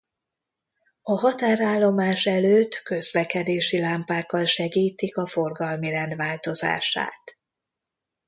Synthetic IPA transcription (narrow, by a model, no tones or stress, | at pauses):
ɒɦɒt̪aːɾaːlːo̞maːʃɛløːt̪kø̞zlɛkɛd̪eːʃilaːmpaːkːɒlʃɛɡiːt̪ikɒfo̞rɡɒlmiɾɛnd̪ʋaːlt̪o̞za̰ːʃa̰ːt̪